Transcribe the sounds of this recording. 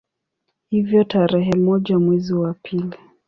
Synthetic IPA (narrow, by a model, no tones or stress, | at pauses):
hivjɔtaɾɛɦɛmɔʄamwɛziwapʰili